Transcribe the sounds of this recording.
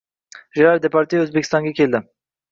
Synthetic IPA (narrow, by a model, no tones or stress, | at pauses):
ʒeɾaɾd̪epɑɾt̪iøzbekʰʲist̪ɑŋɡakʲʰeld̪ɪ